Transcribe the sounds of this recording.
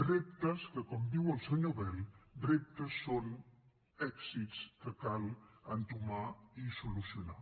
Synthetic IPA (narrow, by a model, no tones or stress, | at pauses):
rep̚t̪əskəkɔmd̪iwəlˠsəɲoβɛld̪ɾep̚t̪əsːon | ɛksitskəkalˠənt̪umaisulusjuna̰